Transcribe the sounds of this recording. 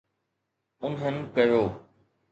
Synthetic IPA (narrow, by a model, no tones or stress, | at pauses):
ʊnɦənkɐjoː